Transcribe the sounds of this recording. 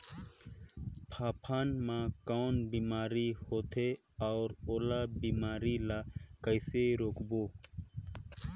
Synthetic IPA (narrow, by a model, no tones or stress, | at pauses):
pʰaːpʰaːnmãkɔːnbiːmaːɾihoːt̪ʰe | ɔːɾoːlabiːmaːɾilakəɪseɾoːkboː